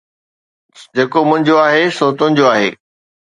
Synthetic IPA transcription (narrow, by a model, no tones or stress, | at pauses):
d͡ʑeːkomʊ̃ɦɪ̃ɲd͡ʑoaːɦesoːt̪ʊ̃ɦɪ̃ɲd͡ʑoaːɦḛː